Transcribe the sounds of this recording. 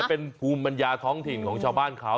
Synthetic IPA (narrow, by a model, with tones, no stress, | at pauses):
pe˧npʰuː˧mpa˧njaː˧t̪ʰɔː˦˥ŋt̪ʰi˨˩nkʰɔː˩˦ŋt͡ɕʰaː˧wbaː˥˩nkʰa˦˥